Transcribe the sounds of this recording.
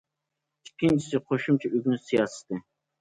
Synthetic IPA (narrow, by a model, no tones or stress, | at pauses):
ikʲʰːint͡ʃʰi̥sɪqʰoʃumt͡ʃʰɛʔyɡʲnsijɑːsɨ̥t̪ʰɨ